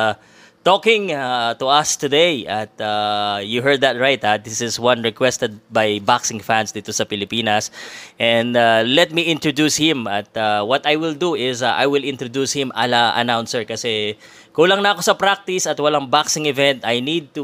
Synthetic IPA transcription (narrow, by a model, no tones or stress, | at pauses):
t̪oːkɪ̃ŋat̪ʊɐst̪ʊd̪ejʔɐt̪ajuɦɛɹd̪ɐt̪̚ɹajt̪had̪ɪsɪswɐnɹɛkwɛst̪ɛd̪̚bajbaksɪ̃ŋfãnsd̪it̪osɐpɪlɪpiːnɐsʔɛ̃nd̪alɛt̪̚miʔɪ̃nt̪ɹod̪ushɪ̃mɐt̪awɐt̪ajwɪld̪uɪzʔa̰jwɪlɪ̃nt̪ɾod̪ushɪ̃mʔa̰lɐʔɐ̰nawnsɛɹkɐsɛ | kulɐŋnɐɐko̞sɐpɾak̚t̪ɪsɐt̪wɐlaŋbaksɪŋɪvɛ̃nt̪ɐjnid̪̚t̪u